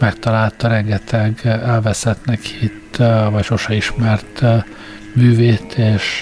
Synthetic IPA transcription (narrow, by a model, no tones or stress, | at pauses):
mɛkt̪ɒlaːlt̪ɒɾɛŋɡɛt̪ʰɛɡɛlvɛsɛt̪nɛkit̪vɒcʃoʃɛiʃmɛrt̪ | myːveːt̪ʰeːʃ